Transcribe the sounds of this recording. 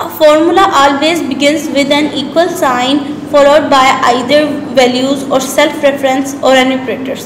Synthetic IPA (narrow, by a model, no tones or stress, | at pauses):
əfɔːɾmʊlaʔɔːlʋeːzbɪɡɪ̃nzʋɪd̪ɛ̃niːkwəlsãɪ̃nfɔːloːɖ̚baɪʔaɪd̪əɾʋɛljuːzɔːɾsɛlfɾɛfəɾə̃nsɔːɾɛnjuːkɾeːʈəɾs